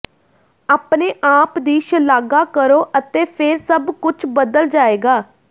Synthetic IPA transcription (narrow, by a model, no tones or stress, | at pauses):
aːpneːʔaːpd̪iːʃəlaːɡaːkəɾoːʔət̪eːpʰeɾsəbkʊt͡ʃʰbəd̪əld͡ʒaːeːɡaː